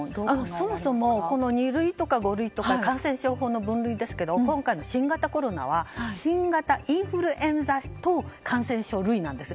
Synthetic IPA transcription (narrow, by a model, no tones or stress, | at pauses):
so̞mo̞so̞mo̞ko̞no̞ɲ̟iɾɯ̟it̪o̞kaɡo̞ɾɯ̟it̪o̞kakãɰ̃sẽɕo̞ːɦo̞ːno̞bɯ̟̃nɾɯ̟id̪e̞sɨ̥ke̞d̪o̞kõ̞ŋkaino̞ɕĩŋɡat̪ako̞ɾo̞na̰β̞aɕĩŋɡat̪aʔĩɰɸɯ̟ɾɯ̟ʔẽ̞nzast̪okʰãɰ̃sẽ̞ɰ̃ɕo̞ːɾɯ̟inãnd̪e̞sɨ̥